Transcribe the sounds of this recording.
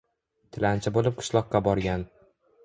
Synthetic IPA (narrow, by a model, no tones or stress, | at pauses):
t̪ʰɪlant͡ʃʰɪbolɪp̚qʰɨ̥ʃlˠɒqːɑbɒɾɡʲan